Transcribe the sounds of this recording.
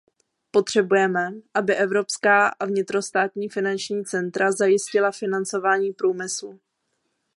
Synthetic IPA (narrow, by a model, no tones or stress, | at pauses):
po̞t̪r̝̥ɛbujɛmɛʔabɪʔɛvɾo̞pskaːʔavɲɪt̪ɾo̞st̪aːt̪ɲiːfɪnant͡ʃɲiːt͡sɛnt̪ɾazajɪscɪlafɪnant͡so̞vaːɲiːpɾuːmɪslu